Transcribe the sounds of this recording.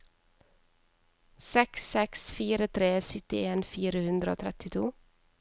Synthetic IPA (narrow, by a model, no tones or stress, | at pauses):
sɛksɛksfiːɾət̪ʰɾeːsʏt̪ɪeːnfiːɾəhʉnd̪ɾəo̰ːt̪ʰɾɛt̪ɪt̪ʰuː